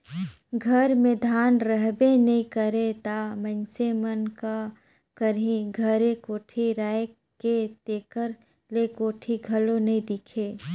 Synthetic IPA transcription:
ɡʱɐɾmẽd̪ʱaːnɾəɦbenɐɦĩkəɾet̪amənsemənka | kəɾĩɡʱɐɾẽkoːʈʰiɾaːj | ket̪eːkəɾ | lekoːʈʰiɡʱɐlõnɐɦĩd̪ɪkʰeː

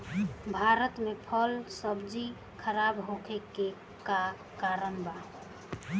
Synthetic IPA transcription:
bʱaɾət̪mepʰəlsəbd͡ʒi | kʰəɾabɦokʰeke | ka | kaɾəmbʱa

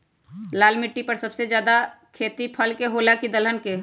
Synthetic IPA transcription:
laːlmɪʈːipəɾsəbsed͡ʒjaːd̪a | kʰeːt̪ipʰəlkeɦoːlakid̪ələnke

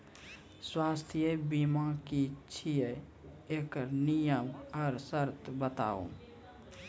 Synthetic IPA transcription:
swaːst̪ʰjəbimãkit͡ʃʰije | ekəɾnijəmɔɾsəɾt̪bət̪a̰ṵ

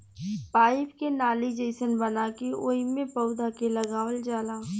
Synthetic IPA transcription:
paːɪpkenaːlid͡ʒəɪsənbɐnakioːimẽpəʊd̪ʱakelɐɡaːʋəld͡ʒaːlaː

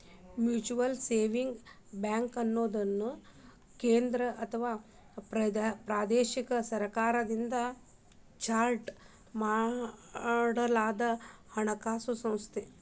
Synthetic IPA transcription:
mjuːt͡ʃuʋɐlseːʋiŋɡ | baːŋkɐnːoːd̪ɐnːu | keːnd̪ɾɐʔɐt̪ʰɐʋaː | ppɾaːd̪eːʃikɐsɐɾkaːɾɐd̪ind̪ɐ | t͡ʃaːɾʈ | maː | ɖɐlaːd̪ɐhɐɳɐkaːsusɐ̃w̃st̪ʰe

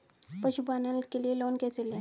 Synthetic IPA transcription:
pəɕubanəlkelielonkɛt͡sela

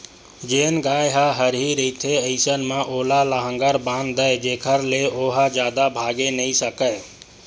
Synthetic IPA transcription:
d͡ʒeːnɡaːjɦaɦəɾɦiɾəit̪ʰeəɪsənmãʔoːlalaɦə̃ŋɡəɾbãːnd̪əd͡ʒeːkʰəɾleoːɦad͡ʒjaːd̪abʱaːɡenəɦĩsəkə

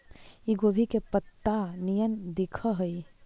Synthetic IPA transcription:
iɡoːbʱikepət̪ːanijənd̪ɪkʰəɦəi

